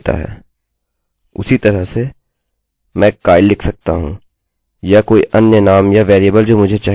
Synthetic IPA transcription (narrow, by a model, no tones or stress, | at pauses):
t̪a̰ɦɛ̰ː | ʊ̰sit̪ɐɾəɦse | mɛ̃kaːɪllɪkʰsɐk̚t̪a̰ɦṵ̃ː | jakoːḭʔɐnjənaːmjaʋɛːɾiəbəld͡ʒoːmʊd͡ʒʱet͡ʃaːɦ